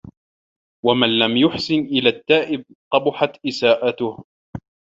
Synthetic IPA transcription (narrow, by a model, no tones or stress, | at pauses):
wamanlamjʊħsɪnʔɪlaːt̪ːaːʔɪb̚qɑbʊħat̪ʔɪsaːʔat̪ʊh